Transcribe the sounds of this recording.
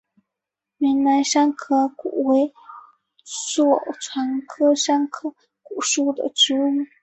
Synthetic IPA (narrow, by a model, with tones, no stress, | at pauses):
mi˧˥nna˧˥ɪʂa˥nkʰɤ˥kṵ˨˩we˧˥ɪ | swɔ˥˨˩ʈ͡ʂʰwa˧˥nkʰɤ˥ʂa˥ŋkʰɤ˥ | ku˨˩ʂu˥˩d̪ə̰˨˩ʈ͡ʂ̩˧˥u˥˩˦